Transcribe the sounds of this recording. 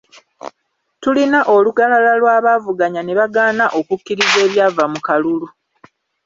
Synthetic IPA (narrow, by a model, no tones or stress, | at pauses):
tulinaʔo̞luɡalalalwaːβaːvuɡaɲaneβaɡaːnaʔo̞kukːiɾize̞ːβjaːvamukalulu